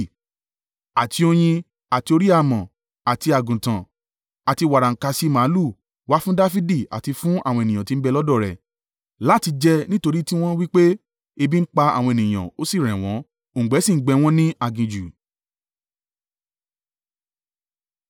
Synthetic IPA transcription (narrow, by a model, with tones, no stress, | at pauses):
a˨tʰi˧o˧j̃ĩ˧ | a˨ti˧o˧ɾi˦a˧mã˨ | a˨ti˧a˨ɡũ˨tã˨ | a˨ti˧wa˨ɾa˨ŋ̩˨ka˨˧si˧mã˨˦lu˦˨ | wa˦fũ˦da˦fi˦di˦˨a̰˨ti˧fũ˦a̰˦˨w̃ɔ̃˧e˨nĩ˨ã˨ti˧˦bɛ˧lɔ˦dɔ˦˨ɾɛ̰˨ | la˨˦ti˧d͡ʒɛ˧nĩ˦to˧ɾi˦ti˦w̃ɔ̃˦wi˦k͡pe˦ | e˧bi˦m̩˦k͡pa˧a̰˨wɔ̃˧e˨nĩ˨j̃ã̰˨o˦si˦˨ɾ̃ɛ̃˨w̃ɔ̃˨˦˨ | ɡ͡bɛ˨˦si˦˨˦ɡ͡bɛ˧w̃ɔ̃˦nĩ˦ʔa˧ɡĩ˧d͡ʒu˨